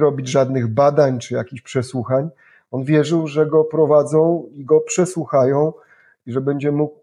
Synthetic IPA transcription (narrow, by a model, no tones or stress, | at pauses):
ɾɔbʲid͡ʑʐad̪nɘɣbad̪aɲt͡ʂɘjakʲiɕpʂɛswuxaɲ | ɔnvʲjɛʐɘwʐɛɡɔpɾɔvad̪zɔ̃w̃iɡɔpʂɛswuxajɔ̃w̃ | iʐɛbɛɲd͡ʑɛmuk̚